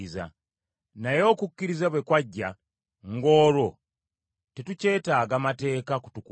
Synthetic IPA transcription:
iza̰ | najo̞ːkukːiɾizaβwe̞kwaɟːa | ŋɡo̞ːɾo̞ | tetuce̞ːtaːɡamate̞ːkaku̥tuku

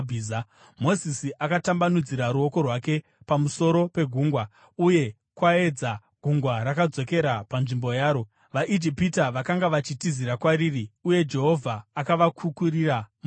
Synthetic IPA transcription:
bʱza | mo̞zisiʔakatambanud͡ziɾaɾuo̞ko̞rwake̞ | pamuso̞ɾo̞pe̞ɡʱuːŋɡwa | uje̞ | kwae̞d͡za | ɡ̥ʱuŋɡwaɾakad͡zo̞ke̞ɾapanʐimbo̞jaːɾo̞ | ʋaʔid͡ʒipitaʋakaŋɡaʋat͡ʃitiziɾakwaɾiːriuje̞d͡ʒe̞ɦo̞vʱaːkaʋakʰukuriramu

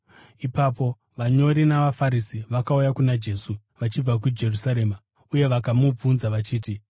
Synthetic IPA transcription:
ipapo̞ | ʋaɲo̞ɾinaʋafaɾisiʋakaujakunad͡ʒe̞ːsu | ʋat͡ʃib͡vak̬ud͡ʒe̞rusaɾe̞ma | uje̞ʋakamub͡vunzaʋat͡ʃiːt̬i

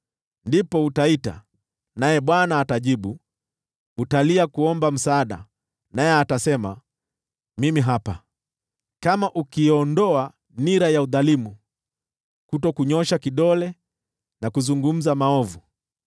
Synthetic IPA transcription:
ndipɔutaita̰ | najɛɓwanaːtaʄiɓu | utaliakuɔmbam̩saːɗa̰ | najɛatasɛma | mimiɦapa | kamaʔukiɔndɔa | niɾajauðalimu | kutɔkuɲɔʃakiɗɔlɛ | nakuzuŋɡum̩zamaɔvu

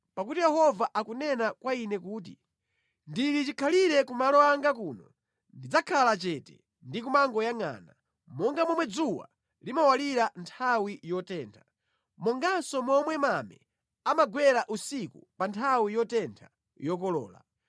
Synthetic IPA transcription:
pakutijɛhɔvaʔakunɛnakwainɛkuːt̬ḭ | ndiɾit͡ʃikʰaliɾɛkumalɔaŋɡakuːnɔ | ndid͡zakʰalat͡ʃɛtɛ̰ | ndik̬umaŋɡɔjaŋa̰ːna̰ | mɔŋɡamɔmwɛd͡zuwa̰ | limawaliɾantʰawijɔtɛːntʰḁ | mɔŋɡasɔmɔmwɛmamɛ̰ | amaɡwɛɾaʔusikupantʰawijɔtɛntʰa | jɔk̬ɔlɔ̰ːla̰

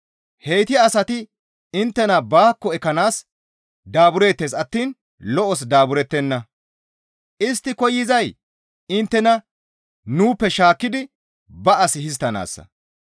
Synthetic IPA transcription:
hejt̪ɪːsɐt̪ɪ | ɪnt̪ːɛnɐbaːkːɔɛkːɐnaːs | d̪aːbʊɾe̞ːt̪ːeːsɐt̪ːiːn | lɔʔɔs̬d̪aːbʊɾɛt̪ːɛnːɐ | ʔɪst̪ːɪkɔjːɪzɐj | ɪnt̪ːɛnɐ | nuːpːɛʃaːkːɪd̪ɪ | bɐʔɐsɪhɪs̬t̪ːɐna̰ːsːɐ̰

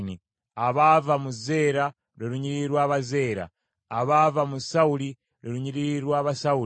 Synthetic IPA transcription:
ni | aβavamuze̞ːɾa | ɾeɾuɲiɾiɾwaːβaze̞ːɾa̰ː | βaːvamusauli | ɾeɾuɲiɾiɾwaːβasau

